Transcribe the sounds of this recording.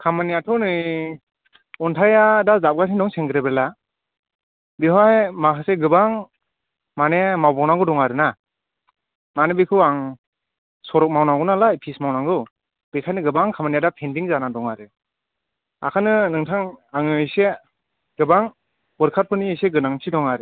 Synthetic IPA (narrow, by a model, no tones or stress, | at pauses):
kʰamanijatʰɔnɯj | ɔntʰajadazap̚ɡatʰindɔŋseŋɡɯɾebela | biɦajmakʰaseɡɯbaŋ | manemawbawnaŋɡɯdɔŋaɾɯna | manebikʰɯaŋ | sɔɾɔk̚mawnaɡɔnalajpʰismawnaŋɡɯ | b̥ekʰajnɯɡɯbaŋkʰamanijadapʰendiŋzanadɔŋaɾɯ | a̰kʰanɯnɯŋtʰaŋaŋɯise | ɡ̥ɯbaŋ | bɔɾkʰat̚pʰɯniseɡɯnaŋtʰidɔŋaɾɯ